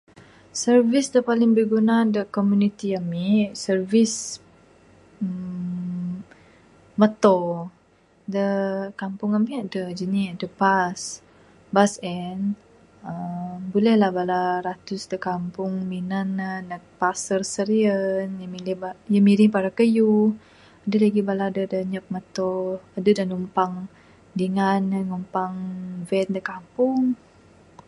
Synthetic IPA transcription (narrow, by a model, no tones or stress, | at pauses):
sərvisdəpalɪŋbəɡunadəkomjunit̪iamisərvis | ə | mət̪ɔ | dəkampʊŋampiaʔdəd͡ʒənidəpas | basɛn | əmbulɛhlahbalaɾat̪ʊsdəkampʊŋminanənəpasərsəɾiənjamilibajəmiɾɪhpaɾakəju | adəlaɡibaladədəɲəp̚mət̪ɔadədanumpaŋ | diŋanəŋumpaŋvɛndəkampʊŋ